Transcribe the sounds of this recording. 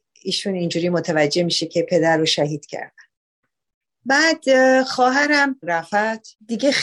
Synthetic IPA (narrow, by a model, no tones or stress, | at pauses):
iːʃunind͡ʒuːɾiːmot̪ʰævæd͡ʒːe̞miːʃe̞cʰepʰe̞d̪æɾːoʃæɦiːd̪̥cʰæ̰ɾd̪̥æn | bæːd̪xɒːɦæɾæmɾæfæd̪̥d̪iɟe